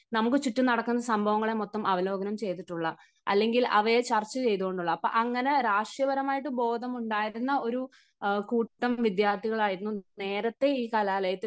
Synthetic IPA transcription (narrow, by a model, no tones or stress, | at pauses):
nɐmukːɨt͡ɕuʈːɨnɐɽɐkːunːɐsɐmbʱɐʋɐŋːɐɭe̞mot̪ːɐmɐʋɐlo̞ːɡɐnɐmt͡ɕe̞jt̪ːiʈːuɭːɐ | ɐ̰lːe̞ŋɡilɐ̰ʋɐjet͡ɕɐrt͡ɕːɐt͡ɕe̞jt̪̬uɣo̞ɳɖuɭːɐɐpːo̰ʔɐŋːɐne̞ɾaːʂjɐbɐɾɐmaːjiʈːɨbo̞ːd̪ʱɐmuɳɖaːjiɾunːɐo̞ɾu | kuːʈːɐmʋid̪jaːrt̪ʰːiɣɐɭaːjiɾunːune̞ːɾɐt̪ːe̞iːkɐlaːlɐjɐt̪ːi